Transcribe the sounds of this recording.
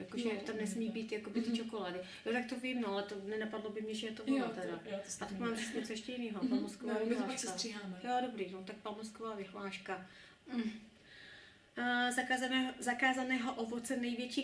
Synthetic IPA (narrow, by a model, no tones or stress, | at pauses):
jakoʒɛt̪amnɛsmiːbiːt̪jakobɪt̪ɪt͡ʃokoladɪ | jot̪ak̚t̪ovimnoalɛt̪onɛnapadlobɪmɲɛʒɛjɛt̪ovimat̪ɛdaʔat̪akmaːmzɪsk̪ɲɛt͡sojɛʃcɛjɪniːɦopamoskoaːvɪlaːʃkariaːmjodobɾiːnot̪ak̚pamoskovaːvɪɦlaːʃka | m̩ | zakazanɛːɦzakaːzanɛːɦoʔovot͡sɛnɛjvjɛt͡ʃiː